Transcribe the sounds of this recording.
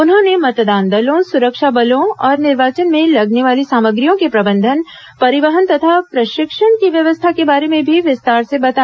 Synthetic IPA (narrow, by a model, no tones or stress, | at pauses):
ʊnɦõnemɐt̪d̪aːnd̪ɐlõsʊɾəkʃabɐlõɔːɾnɪɾʋaːt͡ʃənmẽlɐɡneʋaːlisaːməɡɾijõkepɾɐbə̃nd̪ʱən | pɐɾɪʋəɦənt̪ɐt̪ʰapɾɐʃɪkʃənkiʋjɐʋəst̪ʰakebaːɾemẽbʱiʋɪst̪aːɾsebɐt̪a